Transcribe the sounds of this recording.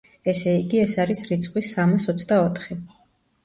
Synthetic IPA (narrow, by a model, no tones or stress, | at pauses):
ɛsɛiɡiɛsaɾisɾit̪sʰʼχʼwisamasɔt̪sʰd̪aɔt̪ʰχi